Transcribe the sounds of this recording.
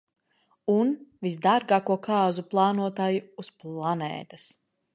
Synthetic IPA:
unvisd̪aɾɡaːkuɔkaːzuplˠɑːnuɔt̪aːjuːsplˠanɛ̰ːt̪as

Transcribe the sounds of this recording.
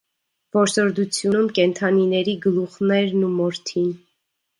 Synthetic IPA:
vɔɾsɔɾd̪ut͡sʰjunumkɛnt̪ʰɑninɛɾiɡəluχnɛɾnumɔɾt̪ʰin

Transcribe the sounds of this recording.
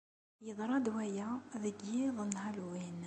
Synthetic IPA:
jəðˤɾˤɑd̪wæjæðəɡːiðˤənːhælwin

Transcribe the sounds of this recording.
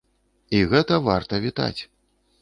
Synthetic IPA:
iɣɛt̪ɐvart̪ɐvʲit̪a̰t͡sʲ

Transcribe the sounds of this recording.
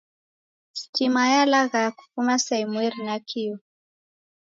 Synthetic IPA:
si̥timajalaɣaku̥fumasaimwɛɾinakʰiɔ

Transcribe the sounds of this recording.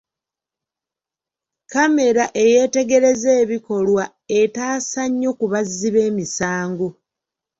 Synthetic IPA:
kame̞ɾaʔe̞je̞ːte̞ɡe̞ɾe̞ze̞ːβiko̞lwa | e̞taːsaɲːo̞kuβazːiβe̞ːmisaːŋɡo

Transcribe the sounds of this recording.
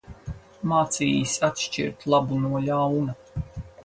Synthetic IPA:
maːt̪sḭːjisat̪ʃt͡ʃḭɾt̪lˠabunuɔlʲawna

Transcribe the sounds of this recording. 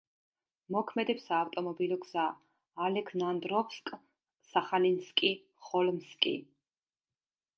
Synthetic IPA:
mɔkʰmɛd̪ɛpsaːft̪ʼɔmɔbilɔksaː | lɛkʰnand̪ɾɔpskʼ | saχalinskʼi | χɔlmskʼḭ

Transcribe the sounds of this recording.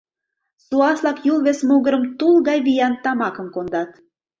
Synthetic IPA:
suɑslɑkjulβesmoɣə̆ɾə̆mt̪ulˠɣɑjβijɑnt̪ɑmɑkə̆mkond̪ɑt̪

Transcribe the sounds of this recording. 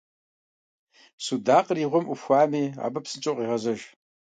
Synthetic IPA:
sudaːqriːʁʷʊmʔufxʷaːmiːa̰ːbɐpsɨnt͡ʃʼoqʼiːʁɐzɐʒ

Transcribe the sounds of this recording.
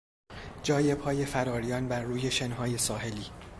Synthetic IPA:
d͡ʒɒːje̞phɒːjefæɾɒːɾijɒːnbæɾːuːje̞ʃenɦɒːje̞sɒːɦe̞liː

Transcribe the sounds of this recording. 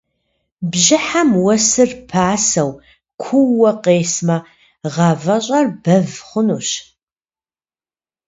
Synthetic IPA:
bʑɪħamwɐsɨrpʰaːsɐw | kʷʰuwːɐqeːsmɐ | ʁɑvɐɕʼɐrb̥ɐvχʷʊnuːɕ

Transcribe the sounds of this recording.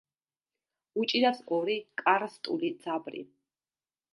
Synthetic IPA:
ut͡ʃʼiɾasɔɾikʼaɾst̪ʼṵlid̪z̥abɾḭ

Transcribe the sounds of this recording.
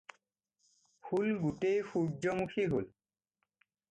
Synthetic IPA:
fulɡutejxud͡ʒɔmukʰiɦol

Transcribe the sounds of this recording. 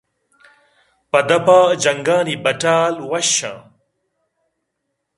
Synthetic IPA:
pɐd̪ɐpaːd͡ʑɐŋɡaːnibɐʈaːlwɐɕã̰ː

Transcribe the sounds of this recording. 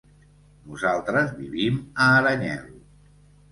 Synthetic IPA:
nuzalˠt̪ɾəzβiβiməːɾəɲɛ̰l

